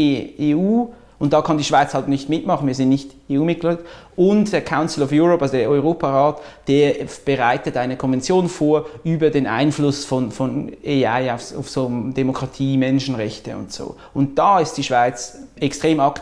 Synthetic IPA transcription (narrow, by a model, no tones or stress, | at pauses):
eeːuː | ʊnt̚d̥aːkʰɑndiːʃv̥aɪt͡shɑltnɪçtmɪtmɑχən̩viːzɪntnɪçt | eːuːmɪt̚ɡ̥lidʊntd̥eːɐkʰaʊnt͡sl̩ɔfjuːɾɔpɑlzdeːɐɔʏʁoːpaʁaːtd̥eːɐb̥əʁaɪtətaɪnəkʰɔnvɛnt͡sjoːnfoːɐyːbɐdeːnʔa̰ɪnflʊsfɔnfɔnea̰ɪaʊfaʊfsoːd̥emokʁ̥ɑtʰiːmɛnʃən̩ʁɛçtə̰ʊ̰ntso̰ː | ʊnt̚d̥aːɪstd̥iːʃv̥aɪt͡sɛkstʁ̥eːmɑk